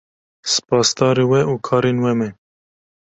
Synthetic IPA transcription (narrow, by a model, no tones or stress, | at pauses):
sɨ̥pɑːsd̪ɑːɾewɛuːkʰɑːɾeːnwɛmɛ